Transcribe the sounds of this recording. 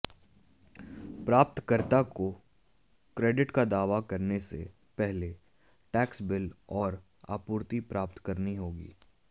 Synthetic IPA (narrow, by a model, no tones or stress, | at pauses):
pɾaːp̚t̪kəɾt̪ako | kɾeːɖɪʈkad̪aːʋakɐɾnesḛ | pɛɦle | ʈɛːksbɪlɔːɾ | a̰ːpuːɾt̪ipɾaːp̚t̪kɐɾniɦoːɡḭː